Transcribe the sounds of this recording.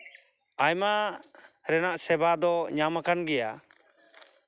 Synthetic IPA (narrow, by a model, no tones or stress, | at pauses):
ajma | ɾɛnaʔsɛbad̪ɔɲamakanɡɛja̰